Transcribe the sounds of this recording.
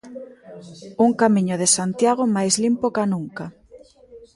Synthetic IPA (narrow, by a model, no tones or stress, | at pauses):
uŋkamiɲʊðesant̪jaɣomajzlimpokanuŋka